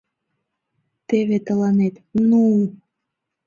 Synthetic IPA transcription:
t̪eβet̪əlɑnet̪nuu

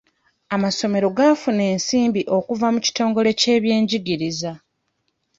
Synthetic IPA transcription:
amaso̞me̞ɾo̞ɡafune̞ːnsiːmbiʔo̞kuvamuci̥to̞ːŋɡo̞le̞ce̞ːβje̞ːɲɟiɡiɾiza

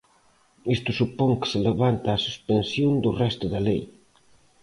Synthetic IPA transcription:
ist̪ʊsupoŋkɪ̥sɪleβant̪aːsu̥spensjond̪ʊrɛst̪ʊðɐlej

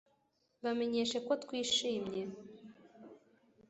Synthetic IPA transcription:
βameɲeʃekot̪kwiːʃiːmɲe

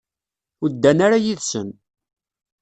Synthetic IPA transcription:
ʊd̪ːænaɾajiðsən

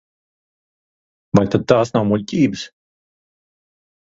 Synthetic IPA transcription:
vajt̪ad̪̚t̪aːsnawmulʲcʲiːbɨs

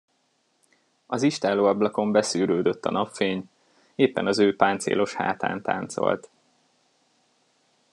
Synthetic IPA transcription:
ɒziʃt̪aːloːɒblɒko̞mbɛsyːɾøːd̪øt̪ːɒ̰nɒpfeːɲ | eːpːɛnɒzøːpaːnt̪sḛːlo̞ʃha̰ːt̪a̰ːnt̪a̰ːnt̪so̞̰lt̪

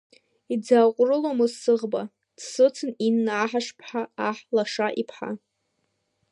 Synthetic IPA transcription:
id͡zaːqʷʼrɨlomɨzsɨʁba | dsɨt͡sʰɨninːaːħaʂpʰħaaħlaʂaʔipʰħa̰

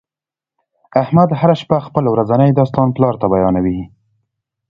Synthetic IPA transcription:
ahmad̪haɾaʃpaxpəlwɾazanəjd̪ɑst̪ɑnplɑɾt̪abajɑnawi

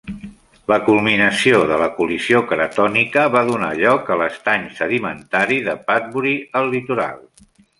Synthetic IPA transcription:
ləkulˠminəsioðələkuliziokɾət̪ɔnikəβaðuna̰ʎɔkələst̪aɲsəðimə̰nt̪aɾiðəpat̪̚βuɾiəlːit̪uɾa̰lˠ

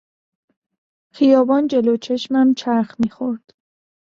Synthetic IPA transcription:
xijɒːbɒːnd͡ʒe̞lot͡ʃʰe̞ʃmæmt͡ʃʰæɾxmiːxoɾd̪̥

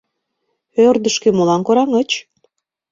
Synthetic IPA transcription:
ørd̪əʃkemolɑnkoɾɑŋət͡ɕ

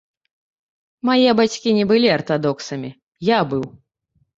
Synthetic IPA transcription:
majɛbat͡sʲkʲinʲɛbɨlʲiɐrt̪ad̪ɔksɐmʲi | jabɨw

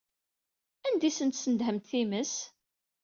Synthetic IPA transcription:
ænd̪isənt̪sənd̪ɦəmt̪θiməs

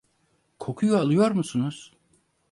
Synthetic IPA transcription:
kʰo̞kʰujualˠɯjo̞ɾmusunuz̥

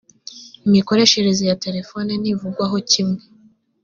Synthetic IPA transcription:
imiko̞ɾe̞ʃeɾezijate̞ɾe̞fo̞nenivuɡwaɦo̞cimŋe

